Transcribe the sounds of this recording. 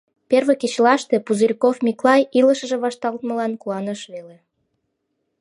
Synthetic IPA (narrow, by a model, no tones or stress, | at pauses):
perβeket͡ɕlɑʃt̪epuzərʲkofmʲiklɑjiləʃə̆ʒĕβɑʃt̪ɑlt̪mə̆lɑnkuɑnəʃβele